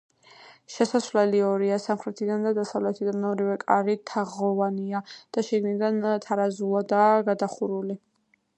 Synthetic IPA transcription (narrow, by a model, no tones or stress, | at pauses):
ʃɛsasvlɛliɔɾiasamχɾɛt̪ʰid̪and̪ad̪asavlɛt̪ʰid̪anmɛɔɾivɛkʼaɾit̪ʰaʁɔvaniad̪̥aʃiɡnid̪ant̪ʰaɾazuad̪aːɡad̪aχuɾuli